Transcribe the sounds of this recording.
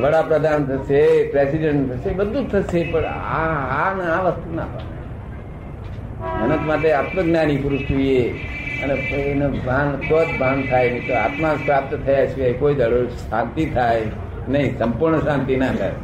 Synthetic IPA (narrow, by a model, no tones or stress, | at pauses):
ʋəɽapɾəd̪ʱant̪ʰəʃepɾesiɖə̃ɳʈt̪ʰəʃebəd̪ʱut̪ʰəʃepəɳaanaʋəst̪una̰pa̰nḛ | mənət̪maʈeat̪məɡnanikuɾuʃʈ̪uie | əneenobʱankʰot̪bʱant̪ʰajmit̪oa̰t̪mapɾap̚t̪ət̪ʰəjat͡ʃʰeekoid̪əɭoʃãnt̪it̪ʰaj | nəɦĩsə̃mpuɾɳəsãnt̪inat̪ʰa̰j